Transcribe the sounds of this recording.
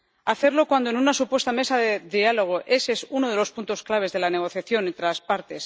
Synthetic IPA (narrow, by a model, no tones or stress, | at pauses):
aθe̞ɾlo̞kwand̪oenunasupwe̞st̪ame̞saðeðialo̞ɣ̞o̞ʔesesuno̞ð̞e̞lo̞spunt̪o̞sklaβ̞e̞zðe̞lane̞ɣ̞o̞θjaθjo̞nent̪ɾelaspaɾt̪e̞s